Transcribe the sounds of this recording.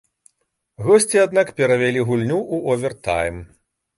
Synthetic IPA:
ɣɔsʲt͡sʲiad̪nakpʲɛɾɐvʲalʲiɣulʲnʲuʔuʔɔvʲɛrt̪a̰jm

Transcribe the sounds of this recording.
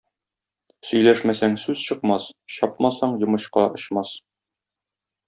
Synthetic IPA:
sɵ̆jlæʃmæsæŋsʉzɕɤ̆qmɑsɕɒp̚mɑsɑɴjŏmɤ̆ɕqɑŏɕmɑs

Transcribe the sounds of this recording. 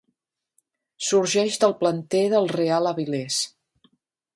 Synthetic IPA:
suɾʒɛʃd̪əlˠplənt̪eðəlˠrealəβilɛs

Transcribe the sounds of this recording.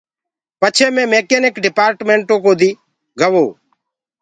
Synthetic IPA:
pət͡ʃʰeːmẽːmeːkeːnekɖɪpaːɾʈmeːɳʈoːkoːd̪iː | ɡəʋoː

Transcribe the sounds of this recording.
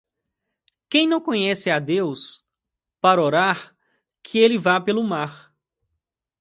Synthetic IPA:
kẽj̃nɐ̃w̃kõɲɛsɪad̪ews | paɾoɾaɾ | kʰɪelɪvapelʊmaɾ

